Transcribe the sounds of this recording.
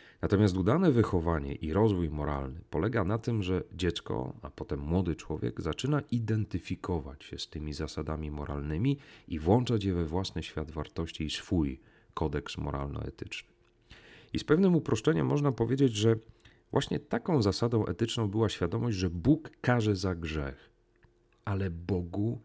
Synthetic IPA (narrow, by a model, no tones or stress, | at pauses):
nat̪ɔmʲjast̪ud̪anɛvɘxɔvaɲɛ̰ʔiɾɔzvujmɔɾa̰lnɘpɔlɛɡanat̪ɘmʐɛd͡ʑɛt̪skɔ̰a̰pɔt̪ɛmːwɔd̪ɘt͡ʂwɔvʲjɛ̰ɡzat͡ʂɘnaʔid̪ɛnt̪ɘfʲikɔva̰t͡ɕɕɛst̪ɘmʲizasad̪amʲimɔɾʔa̰lnɘmʲiivwɔnt͡ʂat͡ɕjɛvɛvwasnɘɕfʲjad̪vaɾt̪ɔɕt͡ɕiːsfuj | kɔd̪ɛksmɔ̰ɾa̰lnɔ̰ɛ̰t̪ɘt͡ʂnɘ̥ | ispɛvnɘmupɾɔʂt͡ʂɛɲɛ̰mːɔʐnapɔvʲjed͡ʑed͡ʑʐɛ | vwaɕɲɛ̰t̪akɔ̃w̃zasad̪ɔ̃w̃ʔɛ̰t̪ɘt͡ʂnɔ̃w̃bɘwaɕfʲjad̪ɔmɔʑd͡ʑʐɛbukːaʐɛzaɡʐɛx | ʔalɛbɔɡu